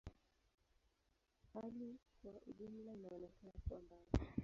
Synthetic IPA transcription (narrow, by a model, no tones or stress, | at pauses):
halikwaʔuʄumlainawɔnɛkanakuambazi